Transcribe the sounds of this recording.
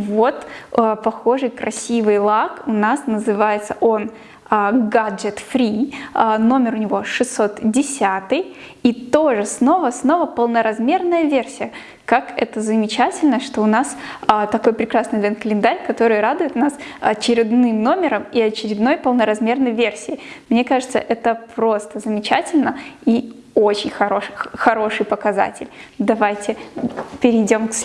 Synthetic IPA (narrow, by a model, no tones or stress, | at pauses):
vo̞t̪əpɐxo̞ʐɨjkɾɐsʲivɨjlˠakʊnasnəzɨvajɪt̪səʔo̞n | əɡadɨt̪fɾʲiəno̞mʲɪɾʊnʲɪvo̞ʂɨsːo̞t̪dʲɪsʲat̪ɨj | it̪o̞ʐɨsno̞vəsno̞vəpəlˠnəɾɐzmʲe̞rnəjəvʲe̞rsʲɪjə | kakɛ̰t̪əzəmʲɪt͡ɕætʲɪlʲnəʂt̪o̞ʊnasət̪ɐkojpɾʲɪkɾasnɨjvʲɛnkəlʲɪnd̪aɾʲkɐt̪o̞ɾɨjɾad̪ʊjɪt̪nasɐt͡ɕɪɾʲɪd̪nɨmno̞mʲɪɾəmiɐt͡ɕɪɾʲɪd̪no̞jpəlˠnəɾɐzmʲe̞rnəjvʲe̞rsʲɪjɪmnʲe̞kaʐɨt̪sə̰ʔɛt̪əpɾo̞st̪əzəmʲɪt͡ɕætʲɪlʲnəi | o̞t͡ɕɪnʲxɐɾo̞ʂxɐɾo̞ʂɨjpəkɐza̰tʲɪ̰lʲd̪ɐvajtʲɪpʲɪɾʲɪdʲo̞mks